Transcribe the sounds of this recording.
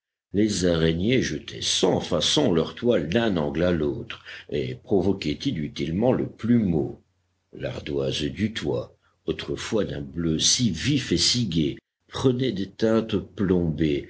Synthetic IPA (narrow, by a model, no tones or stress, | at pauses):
lezaʁenjeʒət̪ʰɛ̰sɑ̃fasɔ̃lœʁt̪wald̪ɛ̃nɑ̃ɡlalot̪χḛpχɔvɔkʲɛt̪inyt̪ilmɑ̃lə̰plymo | la̰ʁd̪wazd̪yt̪wa | ot̪χəfwad̪ɛ̃bløsivifesiɡʲe | pχənɛd̪et̪ɛ̃t̪plɔ̃be